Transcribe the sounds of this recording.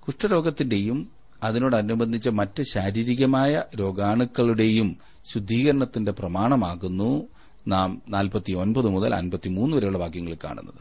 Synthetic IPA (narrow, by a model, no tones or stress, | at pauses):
kuʂʈɐɾo̞ːɡɐt̪ːinde̞jum | ɐðino̞ːɽɐnːubɐnd̪ʱit͡ɕːɐmɐtːɨɕaːɾiːɾiɣɐmaːjɐɾo̞ːɡaːɳukːɐɭuɽe̞jum | ɕud̪ʱːiːɣɐɾɐɳɐt̪ːinde̞prɐmaːɳɐmaːɣunːu | naːmnaːlpɐt̪ːio̞nbɐðɨmuðɐ̰lɐ̰nbɐt̪ːimuːnːɨʋɐɾejuɭːɐbʱaːkjɐŋːɐɭika̰ːɳṵnːɐðɨ